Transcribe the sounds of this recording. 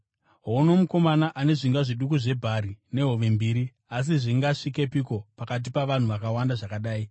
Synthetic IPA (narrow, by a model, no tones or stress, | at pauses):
ɦono̞muko̞manaʔane̞ʐiŋɡaʐiɗukuʐe̞bʱaɾine̞ɦoʋe̞mbiːɾi | as̬iʐiŋɡaʂike̞piko̞pakat̬ipaʋan̤uʋakawandaʐakaɗaːi